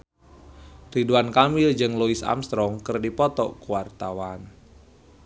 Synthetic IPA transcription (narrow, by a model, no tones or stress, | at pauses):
riduankamɪld͡ʒɨŋluisa̰mst̪ɾɔŋkɨrdipɔt̪ɔ̰kuwart̪awan